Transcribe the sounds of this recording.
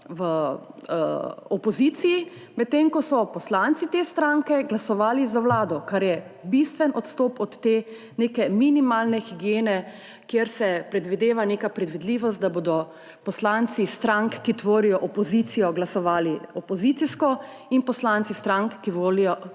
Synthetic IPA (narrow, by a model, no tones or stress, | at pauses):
ʋə | ɔpɔzit̪siji | mɛt̪̚ːemkɔsɔpɔslant̪sit̪eːst̪ɾaŋkɛɡlasɔʋaːlizawlaːd̪ɔkaɾjɛbist̪ʋɛnɔt̪st̪oːpɔt̪ːeː | neːkɛminimalnɛxiɡjeːnɛ | kjeɾsɛpɾɛd̪ʋid̪eːʋaneːkapɾɛd̪ʋid̪liːʋɔst̪d̪aboːd̪ɔ | pɔslant̪sist̪ɾaŋkːit̪ʋoːɾijɔʔɔpɔzit̪sijɔɡlasɔʋaːliɔpɔzit̪siskɔ | inpɔslant̪sist̪ɾaŋkːiʋoːlijɔ